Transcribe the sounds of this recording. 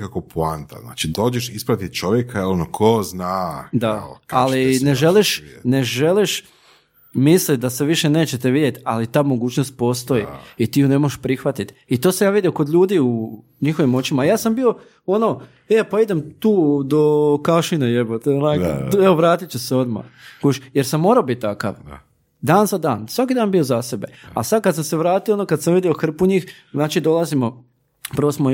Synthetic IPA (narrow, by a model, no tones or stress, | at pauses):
kakopoant̪a̰zna̰ːt͡ʃid̪o̞ːd͡ʒeʃispɾat̪it̪̚t͡ʃoʋjekaeonokʰoznaːd̪aalineʒeliʃne̞ʒeliʃ | mislit̪̚d̪aseʋiʃene̞ːt͡ɕet̪eʋid̪je̞t̪alit̪aːmo̞ɡuːt͡ɕnost̪̚po̞ːst̪o̞ḭit̪ijune̞moʒeʃpɾixʋat̪it̪ | it̪oːsamjaːʋid̪jioko̞d̪ʎuːd̪iːu | ɲixo̞ʋimo̞t͡ɕimajaːsambio̞ | o̞no̞ | epaid̪e̞mt̪uːd̪okaʃinejebot̪nakeoʋɾaːt̪itt͡ɕeseo̞d̪ma̰ɡ̥oʃjeɾsamːoːɾaobit̪̚ːaka̰ʋ | d̪aːnzad̪aːnsʋakid̪aːnbio̞zase̞be̞̰a̰sad̪̚kad̪samseʋɾaːt̪ijoonokad̪samʋid̪ioxr̩puɲiːx | znaːt͡ʃid̪o̞lˠazimo̞ | pɾʋosmo